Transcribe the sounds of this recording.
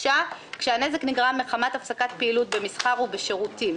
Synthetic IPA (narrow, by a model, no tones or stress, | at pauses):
akʃeane̞zekniɡʁameχamat̪afsakat̪̚peilut̚be̞misχaʁubeʃe̞ʁutim